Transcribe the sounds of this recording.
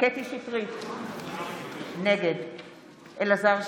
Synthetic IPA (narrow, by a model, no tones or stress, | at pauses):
ket̪iʃitʁi | neɡed̪ | ʔelazaʁ